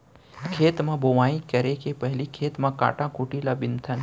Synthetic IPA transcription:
kʰeːt̪mãbʱoʋaːĩkɐɾekepɛɦlikʰeːt̪mãka̰ːʈãkuːʈilabɪnt̪ʰən

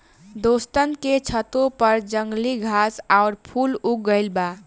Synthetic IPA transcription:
d̪ost̪ənket͡ʃʰət̪opəɾd͡ʒəŋɡliɡʱasaʊɾpʰuluk̚ɡəɪlba

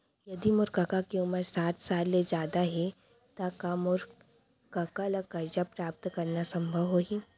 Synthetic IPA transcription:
jɐd̪imʊɾkɐkakeʊməɾsaːʈ̪ʰsaːlːed͡ʒaːd̪aɦɛ | t̪akamʊɾ | kɐkalaɡkɐɾd͡ʒapɾaːp̚t̪kɐɾnasɐ̃mbʱəʋɦoːɦiː

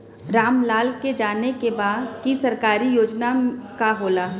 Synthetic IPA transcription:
ɾaːmlaːlked͡ʒaːnekebaːd̪kisɐɾkaːɾijoːd͡ʒnakaɦoːlaː

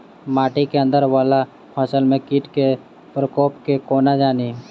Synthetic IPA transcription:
maːʈikeə̃nd̪əɾʋaːla | pʰasəlmẽkiːʈke | pɾəkoːpkekoːnad͡ʒaːni

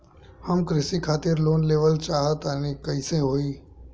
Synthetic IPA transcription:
həmkɾɪsikʰaːt̪ɪɾloːnleːʋəlt͡ʃaːɦət̪ənikəiseɦoːiː

